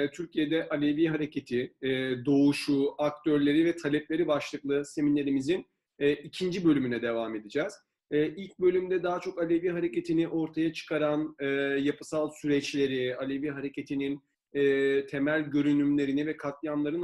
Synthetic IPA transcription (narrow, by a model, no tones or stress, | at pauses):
t̪ʰyɾcʰije̞d̪ɛʔalʲeviɦaɾe̞cʰe̞t̪ʰid̪o̞uʃuakt̪ʰø̞ɾlʲe̞ɾivɛt̪ʰalʲɛplʲe̞ɾibaʃlˠɯklˠɯse̞minlʲeɾimizinː | icʰind͡ʒibø̞lʲymynɛd̪e̞vame̞d̪id͡ʒɛz̥ | ɛːʔilʲc̚bø̞lʲymd̪ɛd̪aːt͡ʃʰo̞kalʲeviːɦaɾe̞ce̞t̪ʰiniʔo̞ɾt̪ʰajat͡ʃʰɯ̥kʰaɾanɯːjapʰɯ̥salˠsyɾɛt͡ʃlʲe̞ɾialʲe̞viːɦaɾe̞cʰe̞t̪ʰininː | t̪ʰemælʲɟø̞ɾynymlʲe̞ɾinivɛkʰat̪lˠjamlˠaɾɯn